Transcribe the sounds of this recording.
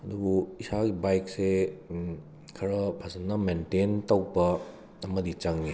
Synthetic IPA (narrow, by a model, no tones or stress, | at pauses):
ɐdubuisaɡibajk̚se | kʰɐɾɐpʰɐsɐnːɐmententawbɐ | ɐmɐdit͡ʃaŋːi